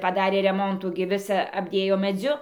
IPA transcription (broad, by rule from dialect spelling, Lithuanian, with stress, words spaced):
pɐˈdɑːrʲeː rʲɛˈmoːntuː ɡʲɪ ˈʋʲɪsɐ ɐbʲˈdʲeːjoː mʲɛˈd͡zʲʊ